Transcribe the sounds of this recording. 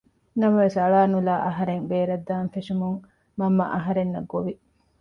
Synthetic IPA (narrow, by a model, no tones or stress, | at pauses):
nɐmɐʋesɐɭaːnulaːʔɐɦɐɾeŋbeːɾɐd̪ːaːnfeʂumuŋ | mɐmːɐ̰ʔɐɦɐɾenːɐɡːoʋi